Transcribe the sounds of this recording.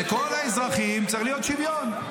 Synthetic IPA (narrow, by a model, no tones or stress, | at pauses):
ekolaezʁaχimt͡s̪aɐiχlijot̪ʃivjon